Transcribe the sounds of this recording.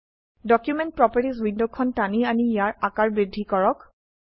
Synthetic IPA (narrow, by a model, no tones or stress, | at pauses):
dɔkjumɛnt̚pɹɔpəɹʈis̬windokʰːɔntanianijaɹakaɹbɹidʱːikɔɹɔk